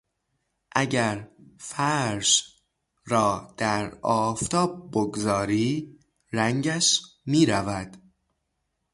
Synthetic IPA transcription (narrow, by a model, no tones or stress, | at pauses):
ʔæɟæɾfæɾʃ | ɾɒːd̪̥æɾɒːft̪ʰɒːb̚boɡzɒːɾiː | ɾæŋɟæʃmiːɾævæd̪̥